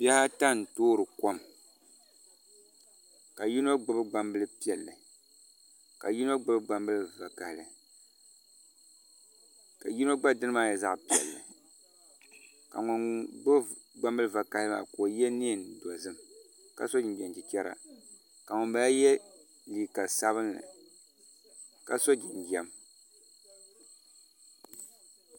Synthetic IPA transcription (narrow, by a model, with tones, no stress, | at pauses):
bi˦ɛ˦ha˦ta˦n̩˨toː˦ɾɨ˨ko˦m | ka˨ji˦no˦ɡ͡bɨ˦bɨ˦ɡ͡ba˦mbɨ˦lɨ˦pi˦ɛ˨lːɨ˨ | ka˨ji˦no˦ɡ͡bɨ˦bɨ˦ɡ͡ba˨mbɨ˦lɨ˨va˨ka˨hlɨ˨ | ka˨ji˦no˦ɡ͡ba˦dɨ˦nɨ˦ma˦jɛ˨za˦ʔpi˦ɛ̰˨lːɨ˨ | ka̰˨ŋʊ˨nɡ͡bɨ˦ | ɡ͡ba˦mbɨ˦lɨ˦˨va˨ka˨lɨ˦ma̰˨koː˨jɛ˦ni˦˨n˨dɔ˨zɨ˦m | ka̰˨so˦d͡ʒɪ˨n˨ɡɛ˨nd͡ʒi˨t͡ʃɛ˦ɾa̰˦ | ka˨ŋʊ˨nba˦jɛ˦ | li˨ka˨sa˦βɨ˦nːɨ̰˨ | ka˨so˦d͡ʒɪ˨n̩˨ɡɛ˨m